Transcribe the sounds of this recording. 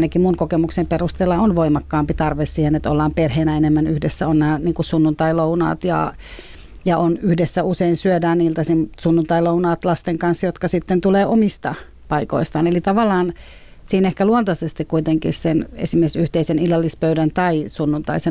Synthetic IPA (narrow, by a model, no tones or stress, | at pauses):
nækimunkokemuksemperust̪eːlːɑonʋoimɑkːɑːmpit̪ɑrʋessiːhenet̪o̰lːɑːmperheːnæenemːænyhdesːæonnæːniːŋkusunːunt̪ɑilounɑ̰ːt̪jɑ̰ | jɑʔonyhdesːæuseinsyødæːnniːlt̪æsimsunːunt̪ɑilounɑːt̪lɑst̪eŋkɑnsjot̪kɑsit̪ːent̪uleːʔomist̪ɑ | pɑiko̰ist̪ɑːnelit̪ɑʋɑlːˑɑːn | siːnehkæluont̪ɑsest̪ikkuit̪eŋkḭssenḛsimːesyht̪eisenilːɑlːispøydænt̪ɑisunːunt̪ɑise